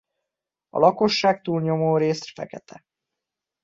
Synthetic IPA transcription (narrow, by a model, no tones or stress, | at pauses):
ɒ̰lɒko̞ʃːaːkt̪uːlɲo̞moːɾeːsfɛ̰kɛt̪ʰɛ